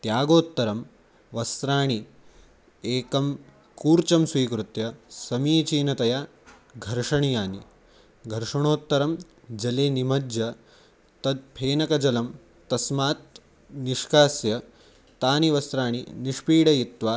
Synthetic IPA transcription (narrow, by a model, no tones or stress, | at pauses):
t̪jaːɡoːt̪ːɐɾɐm | ʋɐst̪ɾaːɳi | eːkɐm | kuːɾt͡ʃɐmsʋiːkɾut̪jɐsɐmiːt͡ʃiːnɐt̪ɐjaː | ɡʱɐɾʂɐɳijaːni | ɡʱɐɾʂɐɳ̃oːt̪ːɐɾɐm | d͡ʒɐleːnimɐd͡ʒjɐ | t̪ɐd̪̚pʰeːnɐkɐd͡ʒɐlɐm | t̪ɐsmaːt̪̚ | niʃkaːsjɐ | t̪aːniʋɐst̪ɾaːɳ̃ḭniʂpiːɽɐjit̪ʋaː